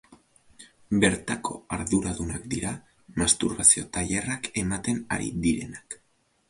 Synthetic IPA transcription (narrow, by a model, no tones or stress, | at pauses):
be̞ɾt̪ako̞aɾðuɾaðunakd̪iɾa | mast̪uɾβasio̞t̪aʎerake̞mat̪e̞na̰ɾḭd̪iɾe̞̰nak